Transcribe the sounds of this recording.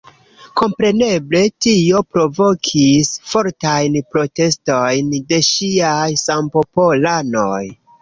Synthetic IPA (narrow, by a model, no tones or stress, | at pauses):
ko̞mpɾe̞ne̞ble̞tio̞pɾo̞vo̞kʰisfo̞ɾtajnpɾo̞te̞sto̞jnde̞ʃiajsampo̞polano̞j